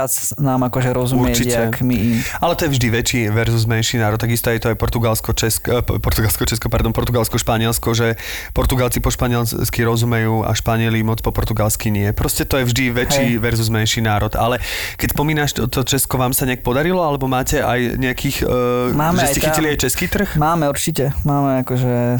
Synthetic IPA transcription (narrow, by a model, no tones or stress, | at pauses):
at͡snaːmakɔʒɛɾɔzuumɾt͡ʃiɛkmiialɛt̪ɔjɛvʒd̪iʋɛt͡ʃiːʋɛɾzuzmɛnʃiːnaːɾɔt̪ːaɡist̪ɔajɛt̪ɔajpɔɾt̪uɡalskɔt͡ʃɛskpɔɾt̪uɡalskɔt͡ʃɛskɔpaɾd̪ɔnpɔɾt̪uɡalskɔʃpaɲɪɛlskɔʒɛ | pɔɾt̪uɡalt͡sipɔʃpaɲɪɛlsskiɾɔzumɛjuːa̰ʃpaɲɪɛlimɔt͡spɔpɔɾt̪uɡalskiɲɪɛpɾɔscɛt̪ɔjɛvʒd̪iʋɛt͡ʃiːʋɛɾzuzmɛnʃiːnaːɾɔd̪alɛ | kɛcspɔmiːnaːʃt̪ɔt̪ɔt͡ʃɛskɔʋaːmsaɲɛak̚pɔd̪aɾilɔalɛbɔmaːcɛʔa̰jɲɛakʰiːxmaːmʒɛscɛiciliajt͡ʃɛskiːt̪r̩xmaːmɛuɾt͡ʃicɛmaːmɛakɔʒɛ